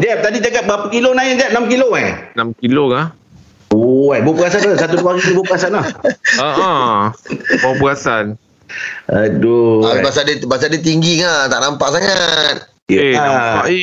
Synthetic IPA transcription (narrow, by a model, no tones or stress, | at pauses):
d͡ʒɛp̚t̪adid͡ʒaɡat̪̚bapəkilonaid͡ʒaʔ̚namkiloajnamkiloka | oajbopəɡasant̪usat̪uduaɡit̪ubopəɡasanahə | bpəɡasan | ədoaibas̬adebas̬adet̪̬iŋɡiŋat̪aʔnampaʔsaŋat̪̚ | jenapa̰ʔi